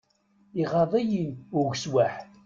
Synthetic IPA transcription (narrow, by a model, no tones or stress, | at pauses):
iʁɑðˤæjinʊɣʷswaħ